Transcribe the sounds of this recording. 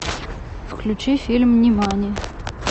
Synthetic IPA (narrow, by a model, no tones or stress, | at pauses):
fklʲʉt͡ɕifʲilʲmnʲɪmanʲɪjə